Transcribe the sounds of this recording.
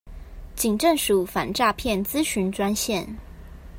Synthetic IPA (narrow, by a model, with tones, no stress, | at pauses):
t͡ɕi˨˩ŋʈ͡ʂə˥˨ŋʂu˨˩fa̰˨˩nʈ͡ʂa˥˧pʰjɛ˥˨nt͡sɹ̩˥ɕy˧˥nʈ͡ʂwa˥nɕjɛ˥˨n